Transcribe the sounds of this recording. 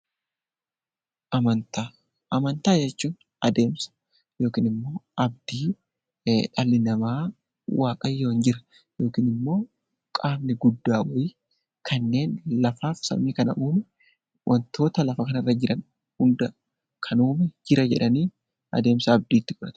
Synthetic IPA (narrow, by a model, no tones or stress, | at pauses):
ʔɐmɐnt̪a | ɐmɐnt̪aːd͡ʒɛt͡ʃːuːn | ɐd̪e̞ːmsɐ̥ | jo̞ːkiːnɪmːo̞ːʔɐb̚d̪̥iː | ᶑɐlɪnɐmaː | wʔaːkʼɐjːo̞ːnd͡ʒɪɾɐ̥ | jo̞ːkiːnɪmːo̞ː | kʼaːmnɪɡʊd̪ːaːwɔji | kʰɐnːe̞ːnlɐfaːfsɐ̰miːkɐnɐ̰ʔuːmɛ | wʔɐnt̪o̞ːt̪ɐlɐfɐkɐnɐrːɐd͡ʒɪɾɐn | hʊnd̪ɐ | kʰɐnuːmɛd͡ʒɪɾɐd͡ʒɛᶑɐniː | ɐ̰d̪e̞ːmsɐːb̚d̪iːt̪ːɪɡʊɾɐt̪ʊ̥